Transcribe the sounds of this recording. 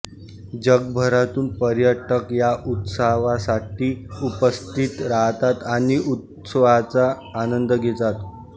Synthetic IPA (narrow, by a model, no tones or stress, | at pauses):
d͡ʑəɡ̚bʱəɾat̪uːnpəɾjəʈəkjaʔut̪saʋasaʈiːupəst̪it̪ɾaɦt̪at̪aɽ̃iʔut̪̚ | səʋat͡saː | nənd̪əɡʱet̪at̪